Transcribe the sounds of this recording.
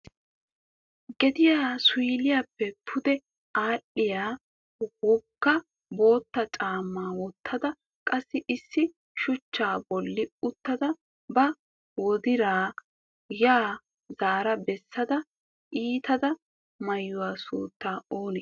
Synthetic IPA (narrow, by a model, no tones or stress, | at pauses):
ɡɛd̪ɪjaːsʊlɪjapːɛpʰʊd̪ɛ | aːɗːɪjaː | wɔkːɐ | bo̞ːt̪ːɐt͡ʃʼaːmːaːwɔt̪ʰːɐd̪ɐ | kʼɐsːɪʔɪsːɪ | ʃʊt͡ʃːaːbɔlːɪʊt̪ːɐd̪ɐ | bɐ | wɔd̪ɪɾaː | jaː | zaːɾɐbɛsːɐd̪ɐ | ʔiːt̪ɐd̪ɐ | mɐjːʊwaːsṵːt̪ːaːoːnɛ